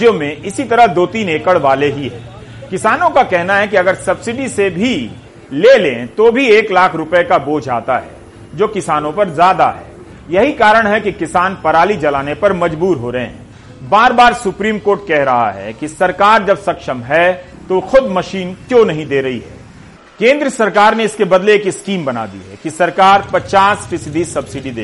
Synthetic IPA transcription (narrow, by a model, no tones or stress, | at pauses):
jõmẽʔɪsit̪ɐɾəɦd̪oːt̪iːneːkəɽʋaːleɦiɦɛ̰ː | kɪsaːnõkakɛɦnaɦɛkiɐɡəɾsɐbsɪɖisebʱi | leːlẽt̪obʱieːklaːkʰɾʊpekaboːd͡ʒʱa̰ːt̪a̰ɦɛ̰ː | d͡ʒoːkɪsaːnõpɐɾzjaːd̪a̰ɦɛ̰ː | jɐɦikaːɾəɽ̃ɦɛkikɪsaːnpɐɾaːlid͡ʒɐlaːnepɐɾmɐd͡ʒbuːɾɦoːɾɐɦẽɦɛ̰̃ː | baːɾbaːɾsʊpɾiːmkoːɾʈ̚kɛɦɾɐɦa̰ɦɛ̰kisɐɾkaːɾd͡ʒɐbsɐkʃəmɦɛ | t̪oxʊd̪mɐʃiːnkjõːnɐɦĩd̪eːɾɐɦiɦɛ̰ː | kẽːnd̪ɾəsɐɾkaːɾneɪskebɐd̪leeːkɪskiːmbɐna̰ːd̪ḭɦɛ̰kisɐɾkaːɾpɐt͡ʃaːsfɪsɪɖisɐbsɪɖid̪eː